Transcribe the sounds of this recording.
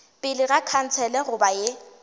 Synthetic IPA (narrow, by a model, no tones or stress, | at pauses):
pʼɪlɪɣakʰan̩t͡sʰɛlɛɣʊbaje